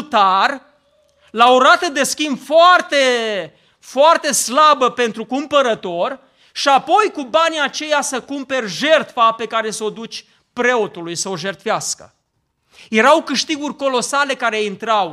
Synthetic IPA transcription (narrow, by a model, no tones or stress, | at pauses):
t̪ar | laoɾat̪əd̪e̞skʲimbfoart̪e̞ | foart̪e̞slabəpe̞nt̪ɾukumpəɾət̪o̞r | ʃiapo̞jkubanʲiat͡ʃe̞jasəkumpe̞rʲʒe̞rt̪fape̞kaɾe̞səo̞d̪ut͡ʃʲ | pɾe̞o̞t̪ulujsəoʒe̞rt̪faskə̰ | je̞ɾawkɨʃt̪iɡurʲko̞lo̞sale̞kaɾe̞int̪ɾaw